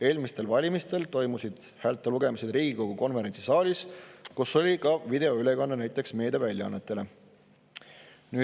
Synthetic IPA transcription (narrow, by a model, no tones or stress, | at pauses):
e̞ːlmist̪e̞lvɑlʲimist̪e̞lt̪o̞jmusid̪̥ | hæːlt̪ˑːeluɡ̥e̞mised̪riːɡ̥iko̞ɡ̥uko̞nve̞ɾe̞nʲt̪sisɑːlʲiskusːo̞lʲikɑvid̪̥e̞o̞yle̞kɑnːɑnæjt̪ːˑe̞ksme̞ːd̪evælʲjɑɑ̰nːe̞t̪ːˑe̞le̞ | nyː